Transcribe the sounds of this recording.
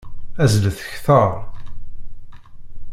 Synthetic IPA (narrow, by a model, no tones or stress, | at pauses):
æzləθə̥çθəɾˤ